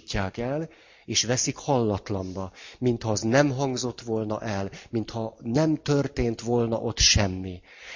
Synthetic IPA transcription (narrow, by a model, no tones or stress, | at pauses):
cːaːkɛl | eːʃʋɛsikhɒlːɒt̪lɒmbɒmint̪hɒznɛmɦɒŋɡzo̞t̪ːʋo̞lnɒ̰ʔɛlmint̪hɒnɛmt̪ørt̪eːnt̪ʋo̞lnɒ̰ʔo̞t̪ʃɛmːi